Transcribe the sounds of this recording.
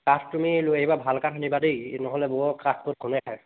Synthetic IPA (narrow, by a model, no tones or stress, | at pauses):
katʰtumilʊejbabʱalkatʰanibadejnɔɦɔlɛbɔɔkatʰkʊt̚kʰunɛkʰaj